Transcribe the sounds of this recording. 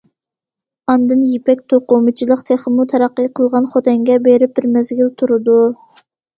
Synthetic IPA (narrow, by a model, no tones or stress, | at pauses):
ɑnd̪ɨnjipɛk̚ʲt̪ʰoqʊmɨt͡ʃʰilˠəqt̪ʰeχəmut̪ʰɛɾɑqːəjqʰəlˠʁɑnχot̪ʰɛŋɡʲɛbeɾɪp̚d̪ɪɾmɛzɡʲilt̪ʰuɾɨd̪u